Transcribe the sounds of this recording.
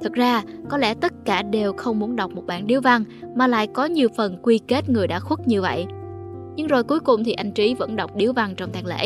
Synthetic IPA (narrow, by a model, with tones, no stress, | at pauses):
t̪ʰɨ˨˩k̚zaː˧kɔ˨˦lɛ̰˧˥˩t̪ə˦˥t̚kaː˧˩ɗe˨˩wxə˧wŋ͡mmu˨˦ənɗa˨˩wk͡p̚mo˨˩t̚ɓa̰ː˧˨nɗi˨˦wva˧ŋmaː˨˩la̰ː˧˨jkɔ˨˦ɲi˨˩əwfə˨˩nkwi˧ke˦˥t̚ŋɨ˨˩əjɗa̰ː˧˥xwu˦˥t̚ɲɨ˧və̰˧˨j | ɲɨ˧ŋzo˨˩jku˨˦jkʊ˨˩ŋ͡mt̪ʰi˨˩ʔa˧jŋt͡ɕi˨˦və̰˧˥nɗa˨˩wk͡p̚ɗi˨˦əwva˧ŋt͡ɕɔ˧wŋ͡mt̪aː˨˩ŋlḛ˧˥